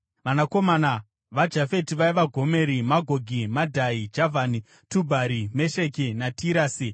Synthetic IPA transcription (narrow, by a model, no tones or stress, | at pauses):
ʋanako̞maːna | ʋad͡ʒafe̞tiʋaiʋaɡʱo̞me̞ɾimaɡʱoɡʱimadʱaid͡ʒavʱani | tubʱaɾime̞ʃe̞k̬enatʰiɾaːsi